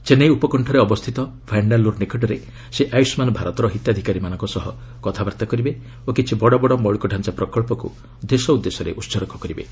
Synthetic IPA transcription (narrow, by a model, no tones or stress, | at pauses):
t͡ʃenejupɔkɔɳʈʰɔɾeɔbɔst̪ʰit̪ɔpʰajɳɖalːuɾnekʰɔʈɔɾe | seʔajusmanɔbʱaɾɔt̪ɔɾɔɦit̪jad̪ʱikaɾimanɔ̃ŋkɔsɔɦɔ | kɔt̪ʰabaɾt̪akɔɾibe | okit͡ʃʰibɔɽɔbɔɽɔmɔɭikɔɖʱant͡ʃapɾɔkɔɭpɔkṵ | d̪esɔud̪ːesɔɾḛʔutːsɔɾɔkɔkɔɾibḛ